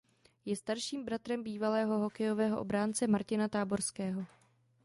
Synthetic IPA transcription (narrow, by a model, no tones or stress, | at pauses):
jɛst̪aɾʃiːmbɾat̪ɾɛmbiːvalɛːɦo̞ɦo̞kɛjo̞vɛːɦoʔobɾaːnt͡sɛmaɾcɪnat̪aːbo̞ɾskɛːɦo̞